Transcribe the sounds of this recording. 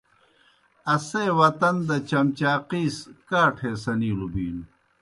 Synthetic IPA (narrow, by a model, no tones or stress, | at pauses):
ɐseːwɐt̪ɐnd̪ɐt͡ɕɐmt͡ɕaːqiːskaːʈʰeːsɐniːlubiːnu